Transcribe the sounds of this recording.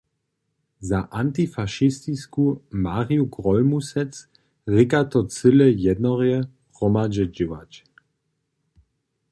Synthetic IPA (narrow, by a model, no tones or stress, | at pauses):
zaʔant̪ifaʃist̪iskumaʁiuɡʁɔlmusɛt͡s | ʁikat̪ɔt͡sɪlɛjɛd̪nɔʁjɛ | ʁɔmad͡ʑɛd͡ʒɪwa̰t͡ʃ